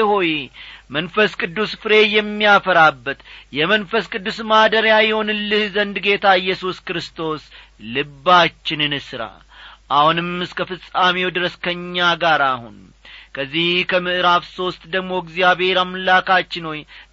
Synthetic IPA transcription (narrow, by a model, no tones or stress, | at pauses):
ho̞jmənfəskʼɨd̪ːusfɨɾe̞jɛmːijafəɾabːət̪jɛmənfəskʼɨd̪ːusmad̪əɾjajɛho̞nɨnlɨhzənd̪ɡe̞t̪ʰaɨjːɛsuskɾɨst̪ʰo̞s | lɨbːat͡ʃːɪnɨnɨsɨɾa̰ | ʔahunɨmɨskʰəfɨsʼːamewd̪ɨɾəskʰəɲːaɡaɾahṵn | kʰəzːihkʰəmɨʔɨɾafso̞st̪d̪əɡmo̞ɪɡzijaβhe̞ɾamlakʰat͡ʃːɪnho̞j